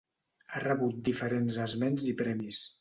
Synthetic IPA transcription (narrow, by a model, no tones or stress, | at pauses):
arəβut̪̚d̪ifəɾenzəzmenzipɾɛmis